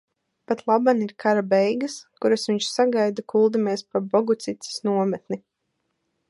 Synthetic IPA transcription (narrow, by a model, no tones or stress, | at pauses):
pat̪lˠabaniɾkʰaɾabɛjɡaskuɾasʋiɲʃsaɡajd̪akulˠd̪ameɛspabɔɡut̪sit̪si̥snuɔmɛt̪ni